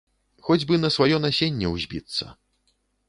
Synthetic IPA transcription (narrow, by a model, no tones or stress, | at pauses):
xɔd͡zʲbɨnɐsvajɔnasʲenʲːɛwzʲbʲit̪sːɐ̰